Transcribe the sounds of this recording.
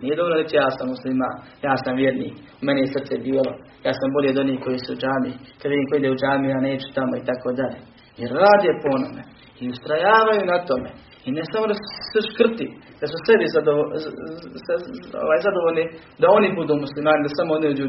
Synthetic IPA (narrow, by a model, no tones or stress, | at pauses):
nijed̪o̞olʲnoɾet͡ʃ̪ijaːsamːuslima̰ːn | jaːsamʋjeɾnḭː | ume̞nejesr̩t̪sebiːlo | jaːsamboʎeod̪o̞niːhko̞jisud͡ʒaːmḭkad̪ʋid̪iːmkoid̪eːud͡ʒaːmijaːne̞ːt͡ɕu̥t̪amoit̪akoːd̪aʎḛː | jeɾːaːd̪jepo̞namḛ | iust̪ɾajaːʋajunat̪o̞me | ine̞samo̞d̪asu̥seʃkr̩t̪i | d̪̥as̬use̞bizad̪oo | so̰ʋaːjzad̪o̞ʋoʎni | d̪ao̞nibud̪uːmuslimaːnid̪asamood̪neud͡ʒu